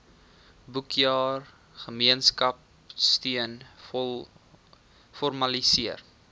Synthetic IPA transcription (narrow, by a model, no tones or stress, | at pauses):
bukjɑːr | χəmiənskɐp | stiənl | fɔrmɐlisiər